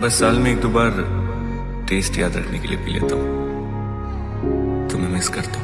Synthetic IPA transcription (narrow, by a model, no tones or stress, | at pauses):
bɐsːaːlmẽːk̚d̪oːbaːɾ | ʈeːsʈja̰ːd̪ɾɐ̰ʈʰnekeliepḭlḛːt̪aɦũː | t̪omɛ̃mɪkskɐɾt̪aɦ